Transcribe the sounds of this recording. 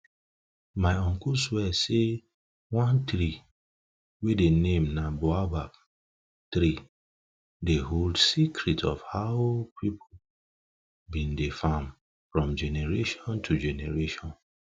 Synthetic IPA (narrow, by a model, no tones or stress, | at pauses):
maɪɔ̃ŋkuswɛse | wãnt̪ɾi | wedenẽmnaboabab̚ | t̪ɾi | deɦoldsikʰɾitʰɔ̰fhaʊpʰipʰo | bĩndefãm | fɹɔ̃md͡ʒɛneɹeʃɔ̃ntʰud͡ʒɛnɛɹeʃɔ̃n